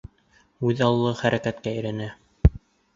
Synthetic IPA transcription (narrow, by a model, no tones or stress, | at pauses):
ʉðɑl̆ˠlˠɤχæɾækæt̪kæɘ̆jɾænæ